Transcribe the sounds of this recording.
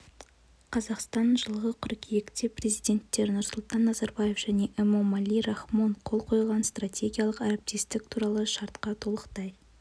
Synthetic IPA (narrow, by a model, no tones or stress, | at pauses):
qʰɑzɑqst̪ɑnʒəlˠʁəqʰʏɾkʲʰijekt̪epre̞zijd̪ʲe̞nt̪ːe̞ɾnʊɾsʊlˠt̪ɑnːɑzɑɾbɑjefʒ̥æne̞ʔemomalʲiɾɑχmo̞ɴqʰo̞lˠqʰo̞jlˠʁɑnst̪rat̪ʲʰe̞ɡʲijalˠəqɑɾep̚t̪ist̪ɪk̚t̪ʰuɾɑlˠəʃɑɾt̪qɑt̪ʰolˠəqt̪ɑj